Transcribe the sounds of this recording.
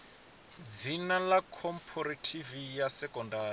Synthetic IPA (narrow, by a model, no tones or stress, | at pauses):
d͡zinalakʰɔmpʰɔɾatʰivijasɛkʼɔndaːi